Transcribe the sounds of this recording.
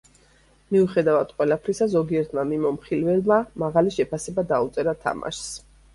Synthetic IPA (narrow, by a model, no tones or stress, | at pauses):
miuχɛd̪avad̪̥qʼwɛlapʰɾisazɔɡiɛɾt̪ʰmamimɔmχilvɛlmamaʁaliʃɛpʰasɛbad̪aut̪sʼɛɾat̪ʰa̰ma̰ʃs